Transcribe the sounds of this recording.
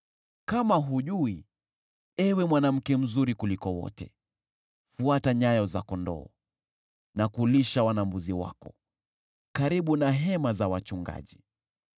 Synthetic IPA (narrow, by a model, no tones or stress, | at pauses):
kamaɦuʄui | ɛwɛmwanam̩kɛm̩zuɾikulikɔwɔ̰tɛ̰ | fuataɲajɔzakɔndɔ̰ː | nakuliʃawanambuziwa̰kɔ | kaɾiɓunaɦɛmazawat͡ʃuŋɡa̰ʄi